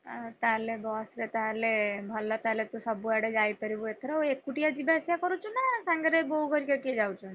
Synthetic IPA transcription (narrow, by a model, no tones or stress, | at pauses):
t̪alebɔsɾet̪alebʱɔlːɔt̪alet̪usɔbuɛɽed͡ʒajpəɾibuet̪ʰɾɔekːuʈijad͡ʒibesjakɔɾut͡ʃʰunasaŋɡeɾebɔɦuɡɔɾikakied͡ʒawt͡ʃʰun